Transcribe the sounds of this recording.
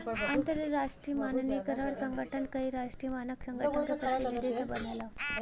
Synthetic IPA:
ənt̪əɾɾaʂʈɾiːmannikəɾaɽsəŋɡəʈʰənkaɦiːɾaʂʈɾiːmanəksəŋɡənʰikək̪akeled̪et̪ibəlala

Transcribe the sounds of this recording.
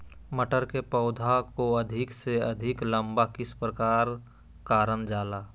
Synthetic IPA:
məʈəɾkepɔːd̪ʱakoɐd̪ʱɪkseɐd̪ʱɪklə̃mbakɪspɾəkaːɾ | kaːɾənd͡ʒaːlaː

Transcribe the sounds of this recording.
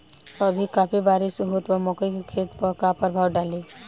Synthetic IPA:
ɐbʱikaːpʰibaːɾɪʃɦʊt̪ɔmɔːkəjkekʰeːt̪pəɾkapəɾbʱaːwɖaːleː

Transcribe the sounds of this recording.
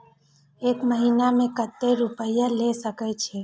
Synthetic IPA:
ekməɦinamẽkət̪ːeɾupəjalesəkɛt͡ʃʰe

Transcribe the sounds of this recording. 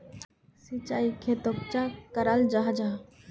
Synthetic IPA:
sit͡ʃaːikʰet̪op̚t͡ʃakəɾald͡ʒaɦd͡ʒaɦ

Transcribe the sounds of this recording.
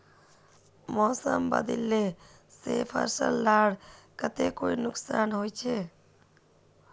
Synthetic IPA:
mɔːsəmbə̰d̪ilːe | seːpʰə̰ɾsə̰lːaːɽkət̪ekoinʊksaːnɦojt͡ʃʰe

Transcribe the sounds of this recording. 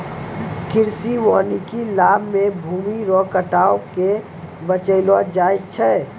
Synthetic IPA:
kɪɾsiwaːnikilaːbʱmebʱuːmiɾɔkəʈaːoke | bət͡ʃəɪlwad͡ʒaːjt̪t͡ʃʰɛ

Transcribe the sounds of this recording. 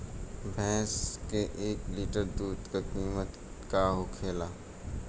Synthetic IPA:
bʱɛ̃ːskeʔeːkliːʈəɾd̪uːd̪kakiːmət̪ | kaɦokʰeːlaː

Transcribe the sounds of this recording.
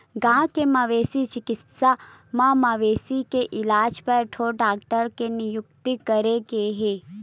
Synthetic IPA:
ɡãkemaʋesit͡ʃɪkɪt̪samãmaʋesikeʔɪlaːd͡ʒpəɾʈʰoɖaːk̚ʈəɾkenijʊk̚t̪ikəɾekeɦe

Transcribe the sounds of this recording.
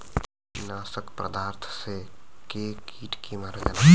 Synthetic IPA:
naːsəkpɾə̰d̪aːɾt̪ʰsekekiːʈkimaɾəd͡ʒana

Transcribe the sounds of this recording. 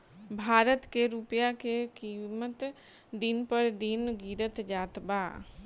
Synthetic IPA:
bʱaːɾət̪keɾupjakekiːmət̪ | d̪inpəɾd̪inɡiɾət̪d͡ʒaːt̪ba

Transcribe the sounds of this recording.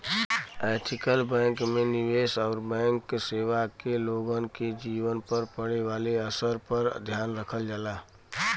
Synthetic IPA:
ɛːt̪ʰɪkəlbɛ̃ːŋkmẽnɪʋeːsɔːɾbɛ̃ːŋkseːʋakeloːɡənked͡ʒiːwənpəɾpəɽeʋaːleəsəɾpəɾd̪ʱjaːnɾəkʰəld͡ʒəlaː

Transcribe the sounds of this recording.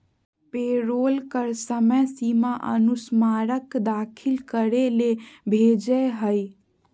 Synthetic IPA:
peɾolkəɾsəməsimaʔə̰nusmaɾəkd̪akʰilkəɾelebʱed͡ʒəɦəj

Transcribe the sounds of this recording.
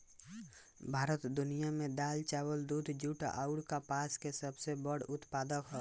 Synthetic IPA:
bʱaːɾət̪d̪ʊnijamẽd̪aːlt͡ʃaːwəld̪uːd̪ʱd͡ʒuːʈa̰ʔaʊɽkapaːskesəbsebəɽʊt̪paːd̪əkɦɔː

